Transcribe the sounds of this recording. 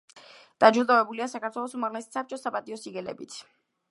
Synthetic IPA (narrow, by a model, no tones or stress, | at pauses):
d̪̥ad͡ʒuɾd̪avɛbuliasakaɾt̪ʰwɛlˠɔsumaʁlɛsi̥sap̚t͡ʃʼɔsapʼat̪ʼiɔsiɡɛlɛ̰bit̪ʰ